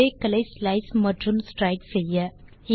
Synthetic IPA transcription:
eːkɐlɐɪslɐɪsmɐɖrɯmsʈɾɐɪʈsɛjːɐ | ɪ

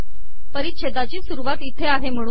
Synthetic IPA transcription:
pəɾit̪ɕed̪at͡ɕiːsuɾuʋat̪it̪ʰeaɦem̤əɽ̃uː

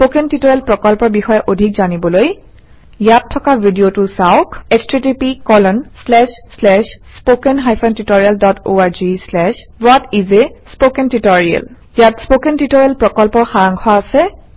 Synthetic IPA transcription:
spokɛntitɔɹɛlpɹɔkɔlpɔɹbixɔjɛʔodʱikzanibɔloj | jatʰːɔkabʱidiotʊsawkɛstɹetipikɔlɔnslɛʃslɛʃspokɛnɦajpʰantutoɹialdɔtoaɹzislɛʃbatizɛspokɛntitɔɹia̰l | jatspokɛntitɔɹialpɹɔkɔlpɔɹxaɹaŋɡʱʰɔaːsɛ

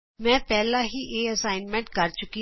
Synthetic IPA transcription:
mɛ̃ːpɛːlãːɦiːʔeːəsaːɪnmɛ̃ːɳʈkəɾt͡ʃʊki

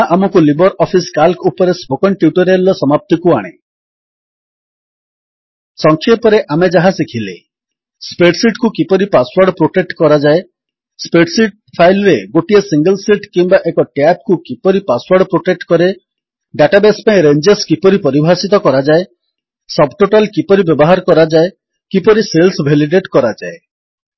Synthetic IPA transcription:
aʔamɔkulibɔɾʔɔpʰiskalkupɔɾespokɔnʈjuʈɔɾialɔsɔmap̚t̪ikuaɽ̃e | sɔŋkʰepɔɾeʔamed͡ʒaɦasikʰile | speʈsiʈkukipɔɾipaswaɾɖpɾoʈek̚ʈkɔɾad͡ʒae | speʈsiʈ̚ | pʰajlɾeɡoʈiesiŋɡəlsiʈkimbaʔekɔʈjap̚kukipɔɾipaswaɾɽɖpɾoʈek̚ʈkɔɾe | ɖaʈabespaĩɾend͡ʒeskipɔɾipɔɾibʱasit̪ɔkɔɾad͡ʒae | sɔbʈoʈalkipɔɾibjɔbɔɦaɾɔkɔɾad͡ʒae | kipɔɾiselsbʱeliɖeʈkɔɾad͡ʒae

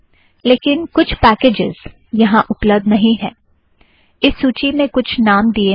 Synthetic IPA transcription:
leːkɪnkʊt͡ʃʰpɛːkeːd͡ʒɪz̥ | jɐɦãʔʊpləb̚d̪nɐɦĩɦɛ̃ː | ɪsːuːt͡ʃimẽkʊt͡ʃʰnaːmd̪ie

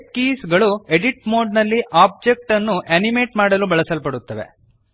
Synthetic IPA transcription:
kiːsɡɐɭueɖiʈmoːɖnɐlːiʔaːb̚d͡ʒek̚ʈɐnːuʔenimeːʈmaːɽɐlubɐɭɐsɐlpɐɽut̪ːɐʋe̞̰

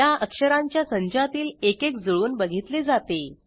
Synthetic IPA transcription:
aʔəkʂəɾaɲt͡ɕjasəɲd͡ʑat̪iːlekek̚d͡zəɭuːnbəɡʱit̪led͡zat̪e

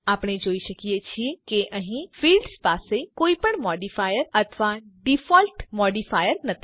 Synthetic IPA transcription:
aːpɽ̃ed͡ʒoːiʃəkijet͡ʃʰiekeʔəɦĩfiːlɖspaːsekoːipəɳmɔːɖifaːjəɾət̪ʰʋaɖifɔːlʈmɔːɖifaːjəɾnət̪ʰi̥

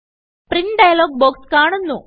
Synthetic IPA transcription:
priɳɖɐjloːk̚boːkskaːɳunːṵ

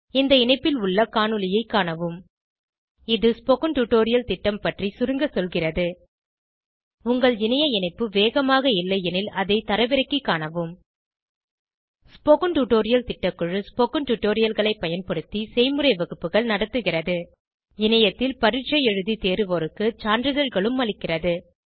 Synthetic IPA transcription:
ɪnd̪ɐɪnɐɪpːɪlʊɭːɐkaːnɯlɪjɐɪkːaːnɐʋɯm | ɪðɯspɔkɯɳʈuʈoːɾɪjɐlt̪ɪʈːɐmpɐʈrisʊɾɯŋɡɐsɔlɣɪrɐðɯ | ʊŋɡɐɭɪnɐjɐɪnɐɪpːɯʋeːɣɐmaːɣɐɪlːɐjɛnɪlɐðɐɪt̪ɐɾɐʋɪɾɐɪkːikːaːɳɐʋɯm | spokɯɳʈuʈoːɾɪjɐlt̪ɪʈːɐkːɯɻɯspɔkɯɳʈuʈːoːɾɪjɐlɣɐɭɐɪpːɐjɐnpɐɽɯt̪ːisɛɪmɯɾɐɪʋɐɣɯpːɯɣɐɭnɐɽɐt̪ːɯɣɪrɐðɯ | ɪnɐjɐt̪ːɪlpɐɾɪʈt͡ʃːɐjɛɻɯðit̪eːɾɯʋoɾɯkːɯt͡ʃaːndɾɯðɐɾɣɐɭɯmːɐlɪkːɪrɐðɯ

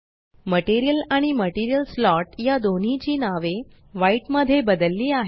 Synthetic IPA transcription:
məʈiɾijəlaɽ̃iməʈiɾijəlslɔʈjad̪on̤it͡ɕiːnaʋe | ʋaiːʈməd̪ʱːjebəd̪əlːiːaɦe

